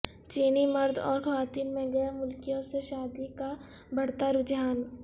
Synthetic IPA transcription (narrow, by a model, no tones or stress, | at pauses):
t͡ʃiːnimɐɾd̪ʱɔ̰ːɾxʰɐwaːt̪iːlmẽɡɛːɾmʊlkijõseʃaːd̪ika | bɐɽ̤t̪aɾʊd͡ʒjaːn